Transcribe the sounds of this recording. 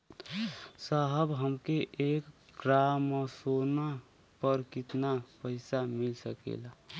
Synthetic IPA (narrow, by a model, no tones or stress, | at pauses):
saɦəbɦəmkeʔekɡɾamːəsona | pəɾkɪt̪napəɪsamɪlsəkḛla